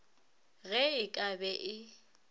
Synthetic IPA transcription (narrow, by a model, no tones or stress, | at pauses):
ɣɛɪkʼabɛʔɪ